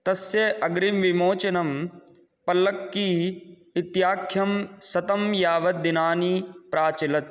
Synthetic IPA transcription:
t̪ɐsjeɐɡɾimʋimoːt͡ʃɐnɐm | pɐlɐkːiː | ɪt̪jaːkʰjɐmsɐt̪ɐmjaːʋɐt̪̚d̪ɪnaːnipɾaːt͡ʃɐlɐt̪̚

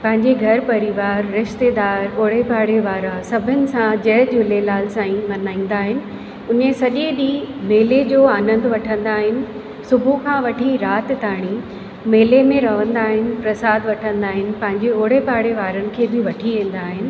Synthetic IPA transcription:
pɐ̃ɦɪ̃ɲd͡ʑeɡʱɐɾpɐɾiʋaːɾːɪʃt̪ed̪aːɾoːɽ̤epaːɽeʋaːɾasɐbʱɪnɪ̆sãd͡ʑɐɦd͡ʑʊlelaːlsãːĩmɐnaːĩːn̆d̪aːɦɪnɪ̆ | ʊnẽsɐʄeɗimeːled͡ʑoːaːnə̃nd̪ʋɐʈʰə̃nd̪aːɦɪnɪ̆ | sʊbʱukʰãːʋɐʈʰiɾaːt̪ɪt̪aːɽ̃i | meːlemẽɾɐʋə̃nd̪aːɦɪnɪ̆pɾɐsaːd̪ʋɐʈʰə̃nd̪aːɦɪnɪ̆pɐ̃ɦɪ̃ɲd͡ʑeoːɽepaːɽeʋaːɾənɪ̆kʰeːbɪʋɐʈʰiʋẽːn̆d̪aːɦɪnɪ̆

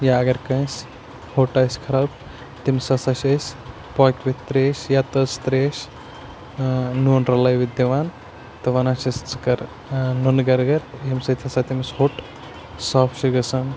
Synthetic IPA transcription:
jaɐɡɐɾkɐ̃jsʲ | hoʈɐjskʰɐɾaːb | t̪imsɐsɐʃɐsʲ | pojkʲʋit̪ːɾeːʃjat̪ɐst̪ɾeːʃ | nunɾɐlajʋid̪iʋaːn | t̪ɐʋɐnaʃɐst͡sɨkɐɾ | nonɡɐɾɡɐɾjemsɐt̪ʲʰɐsat̪imshoʈ | saːfʰʃiɡɐsan

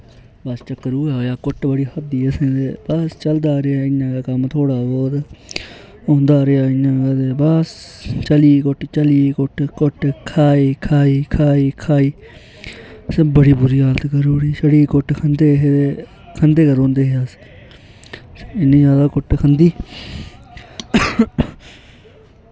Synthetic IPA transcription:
bəst͡ʃəkːəɾuːaːjaːkʊʈbəɽiːɦəd̪iːəsẽːd̪eːbəst͡ʃəld̪aːɾeaːɪnːãːkaːkəmt̪ʰoːɽaːboːd̪ | õːnd̪aːɾeaːɪnãːat̪eːbəst͡ʃəliːkʊʈt͡ʃəliːkʊʈkʊʈkʰaːiːkʰaːiːkʰaːiːkʰaːiː | sebəɽiːbʊɾiːaːlt̪ːɡəɾuːɾiːʃəɽiːkʊʈːkʰənd̪eːɦee | kʰənd̪eːkəɾõːnd̪eːɦeas | ɪnːĩːzjaːd̪aːkʊʈkʰənd̪iː

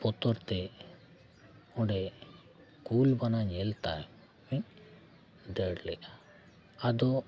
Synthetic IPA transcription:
pɔt̪ɔɾt̪ɛ | ɔɖɛ | kulbanaɲɛlt̪a̰j | miɲ | d̪əɽlɛʔa | ad̪ɔ

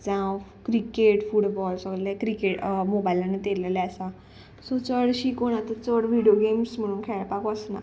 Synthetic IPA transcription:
d͡zãkɾikeʈfuɽbɔlsəɡlɛkɾikeʈmobailanet̪elelɛasã | sɔt͡səɽɕikoɽ̃ãt̪ət͡səɽʋiɖijoɡemsm̤əɽ̃uːnkʰɛɭpakʋəsna̰

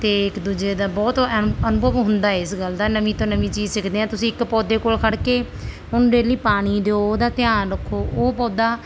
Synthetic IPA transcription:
t̪eːɪkd̪uːd͡ʒeːd̪aːbɔːt̪ənʊbəʋɦʊnd̪aːɛɪsɡəld̪aːnəʋĩːt̪õːnəʋĩːt͡ʃiːzsɪkʰd̪eːɦãːt̪ʊsĩːɪkpɔːd̪eːkoːlkʰəɽkeː | ʊnɖeːliːpaːɽ̃iːd̪eoːd̪aːt̪ɪjãːnɾəkʰːoːoːpɔːd̪aː

